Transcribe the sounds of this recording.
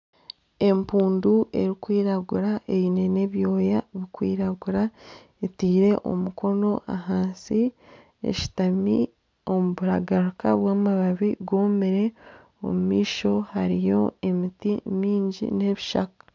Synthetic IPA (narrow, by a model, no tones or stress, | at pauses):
e̞mpuːnduʔe̞ɾikwiːɾaɡuɾaʔe̞βine̞ne̞βjo̞ːjaβikwḭːɾaɡuɾa | etiːɾe̞ʔo̞̰muko̞no̞ʔaɦaːnsi | ḛʃi̥tami | o̞muβuɾaɡaɾukaβwaːmaβaβiɡo̞ːmeɾe̞ | o̞̰mumiːʃo̞haɾijo̞̰e̞mitimiːɲɟḭne̞βiʃa̰kḁ